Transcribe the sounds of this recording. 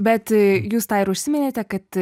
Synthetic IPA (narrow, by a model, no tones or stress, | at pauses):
bʲɛt̪juːst̪ɑːɪɾʊʃʲsʲɪmʲɪnʲeːt̪ʲɛkɐt̪